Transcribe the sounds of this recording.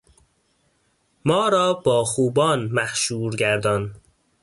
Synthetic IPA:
mɒːɾɒːbɒːxuːbɒːnmæhʃuːɾɡæɾd̪ɒːn

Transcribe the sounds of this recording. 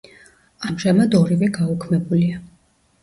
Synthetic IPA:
amʒamad̪ɔɾivɛɡaɔkʰmɛbulia

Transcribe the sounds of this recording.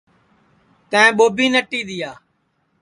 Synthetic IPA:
t̪ə̃ẽːɓoːbiːnəʈːiːɗ̪ɪjaː

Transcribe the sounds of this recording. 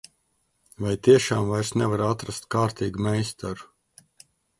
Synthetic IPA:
vajt̪iɛʃaːmvajɾsnʲɛvaɾat̪ɾast̪kaːɾt̪iːɡumɛjst̪ɔɾu

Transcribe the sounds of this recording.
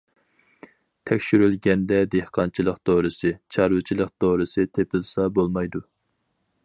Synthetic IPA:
t̪ʰɛkʲʃyɾylɡʲɛnd̪ɛd̪ehqʰɑnt͡ʃʰilˠəqt̪oɾɨsɨt͡ʃʰɑɾwɨt͡ʃʰilˠəq̚d̪oɾɨsɨt̪ʰepʰɪlsɑbolˠmɑjd̪u

